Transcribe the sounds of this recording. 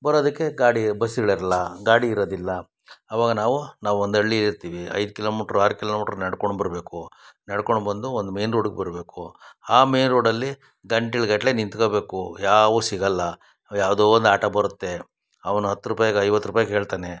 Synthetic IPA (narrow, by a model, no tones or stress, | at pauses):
bɐɾoːd̪ɐkːe̞ɡaːɽibɐsiɡɐɭiɾɐlːɐɡaːɽiːɾoːd̪ilːɐ | ɐʋaːɡɐnaːʋunaːʋuond̪ɐɭːiiɾt̪iːʋiɐ̰jd̪ukiloːmiʈɾuaːɾukilomiʈɾunɐɽkoɳɖbɐɾbe̞ːkunɐɽkoɳɖbɐnd̪uond̪umeːnɾoːɖɡebɐɾɐbe̞ːkuaːme̞ːnɾoːɽɐlːi | ɡɐɳʈiɭɡɐʈle̞nint̪koːbe̞ːkujaːʋusiɡɐlːɐ | jaːʋd̪oːond̪aːʈɐbɐɾut̪ːe̞ | ɐʋɐnuɦɐt̪ːuɾupaːjaɡɐjʋɐt̪ːɾupaːjɐɦe̞ːɭt̪aːne̞